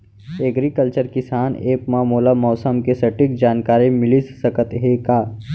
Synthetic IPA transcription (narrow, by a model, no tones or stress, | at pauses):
eɡɾikəlt͡ʃəɾkɪsaːneːpmaːmoːlamɔːsəmkesɐʈɪk̚d͡ʒaːnkaːɾimɪlissɐkət̪ɦekaː